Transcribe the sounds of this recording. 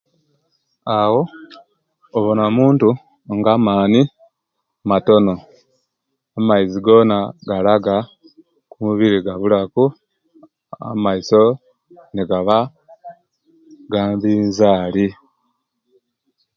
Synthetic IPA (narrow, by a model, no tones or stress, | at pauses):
awo̞ | βonamuːntu | ŋɡamaːni | mato̞no̞ | amaiziɡo̞ːnaɡalaɡa | kumuβiɾiɡaβulaku | a̰maiso̞ | niɡaβa | ɡaːmbiːnzaːli